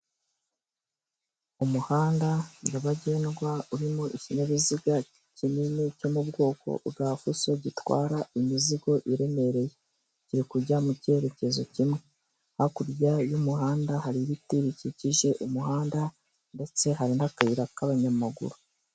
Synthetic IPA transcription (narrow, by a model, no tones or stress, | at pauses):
umuhaːndajaβaɟe̞ːnɡwauɾimuʔicineβiziɡa | cininico̞mubɡo̞ːko̞̰ʔuɡafusoɟitwa̰ːɾaimiziɡo̞ʔiɾe̞me̞ɾe̞je̞ | ciɾikuɾɟamuce̞ɾe̞ce̞zo̞cimwe̞ | hakuɾjajumuhaːndahaɾiɾitiɾiciciʒe̞ʔumuɦaːnda | nde̞t͡se̞ɦaɾinhakaiɾakaβaɲamaɡṵɾo